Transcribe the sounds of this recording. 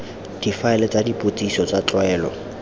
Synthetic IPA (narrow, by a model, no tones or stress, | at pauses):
d̥ifaɛlɛt͡sadipʼot͡sʼisɔt͡sat͡ɬɔɛːlɔ̰